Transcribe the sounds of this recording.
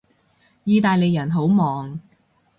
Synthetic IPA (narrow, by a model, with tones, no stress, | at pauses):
jiː˧t̪aː˨jle˨˧jːɐ˨˩nɦo˨˥wmɔː˨ŋ